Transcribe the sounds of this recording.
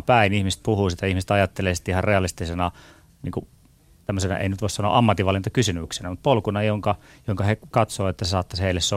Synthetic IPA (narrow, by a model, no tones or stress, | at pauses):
pæinihmist̪̚puhuːsit̪æihmiset̪ɑjɑt̪ːelesi̥t̪ihɑrreɑlist̪isenɑ | nḭːŋku | t̪æmːøsenɑ̰ʔḛinyt̪ʋoˑisɑnoɑ̰ʔɑmːɑt̪ːiʋɑlːint̪ɑkysymyksenæmut̪̚polkunɑjoŋkɑ | joŋkɑhekɑt̪soːet̪ːæsesɑːt̪ːɑsheilːesso